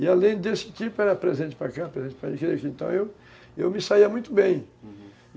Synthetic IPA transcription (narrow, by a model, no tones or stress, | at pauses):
ɪalẽj̃d̪esɪkipʊɛɾɐpɾezẽnt͡ʃɪ̥pɾakapɾezẽt͡ʃɪpɾaḭkɾiʊkɪẽnt̪ɐ̰̃w̃ew | ewmɪsaiɐmũj̃t̪ʊbẽj̃